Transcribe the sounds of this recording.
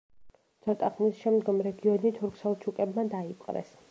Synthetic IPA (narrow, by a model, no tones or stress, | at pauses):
t̪ʰɔt̪ʼaχmisʃɛmd̪ɡɔmɾɛɡiɔnit̪ʰuɾkʰsɛlˠt͡ʃʰukʼɛbmad̪aipʼqʼɾɛ̰s